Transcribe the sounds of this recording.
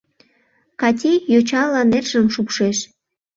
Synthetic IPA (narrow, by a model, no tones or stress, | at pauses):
kɑtʲejjot͡ɕɑlɑnerʒəmʃukʃeʃ